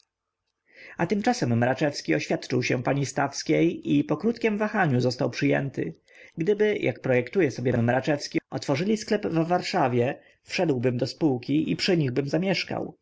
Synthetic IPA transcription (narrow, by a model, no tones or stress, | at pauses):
at̪ɘmt͡ʂasɛmːɾat͡ʂɛfskʲiɔɕfʲjat̪t͡ʂɘwɕɛpaɲist̪afskʲejipɔkɾut̪kʲɛmvaxaɲuzɔst̪awpʂɘjɛ̰nt̪ɘ̰ | ɡd̪ɘbɘjʔa̰kpɾɔjɛkt̪ujɛsɔbʲjɛmːɾat͡ʂɛfskʲiɔt̪fɔʐɘlʲisklɛbvvaɾʂavʲjɛ | fʂɛd̪wbɘmd̪ɔspuwkʲiʔḭpʂɘɲiɣbɘmzamʲjɛʂka̰w